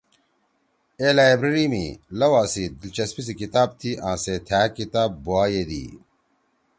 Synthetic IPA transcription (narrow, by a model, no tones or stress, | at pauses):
eːlaːebɾɐɾimḭlɐwaːsid̪ilt͡ɕɐspis̬ikit̪aːb̚t̪ʰiʔãːset̪ʰaːkit̪aːbbuaːjed̪ḭː